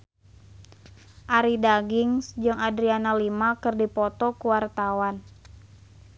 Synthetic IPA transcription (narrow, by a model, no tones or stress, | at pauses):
ʔaɾidaɡiŋsd͡ʒɨŋadɾianalimakɨrdipɔt̪ɔkuwart̪awan